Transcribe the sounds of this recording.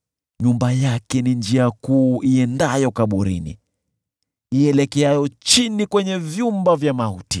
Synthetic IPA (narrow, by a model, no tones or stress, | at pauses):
ɲumbajakɛnind͡ʒiakuːʔiɛndajɔkaɓuɾḭnḭ | iɛlɛkɛajɔt͡ʃinikwɛɲɛvjumbavjamaṵti